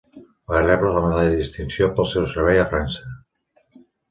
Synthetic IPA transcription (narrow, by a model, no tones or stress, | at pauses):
ereβɾoɣamaðaððist̪insjopolˠsewseɾβejafɾansa